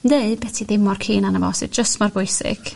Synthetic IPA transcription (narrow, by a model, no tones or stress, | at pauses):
ndeɨbɛtʰiðɪmɔrkʰiːnanəvɔ̰ːsɪ̰d͡ʒəstmarbʊjsɪ̰ɡ̥